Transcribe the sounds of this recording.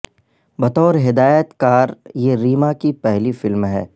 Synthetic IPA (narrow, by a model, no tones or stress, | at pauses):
bɐt̪ɔːɾɦɪd̪aːjət̪kaːɾjeɾiːmakipɛɦlifɪlmɦɛː